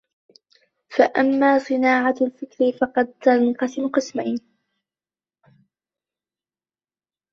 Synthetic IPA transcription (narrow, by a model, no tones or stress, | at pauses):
faʔamːaːsˤɨnaːʕalfɪkɾifɑqɑd̪̚t̪alqɑsmqɨsmajn